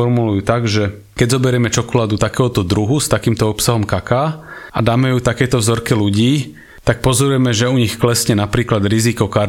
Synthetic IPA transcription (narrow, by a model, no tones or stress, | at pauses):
ɔɾmulujuːt̪aɡʒɛ | kɛɟzɔbɛɾjɛmɛt͡ʃɔkɔlaːd̪ut̪akɛːɦɔt̪ɔd̪ɾuɦust̪akiːmt̪ɔɔpsaɦɔmkakaːad̪aːmɛjut̪akɛjt̪ɔvzɔɾkɛluɟiː | t̪ak̚pɔzɔɾujɛmɛʒɛuɲixklɛsɲɛnapɾiːklad̪ɾizikɔkaɾ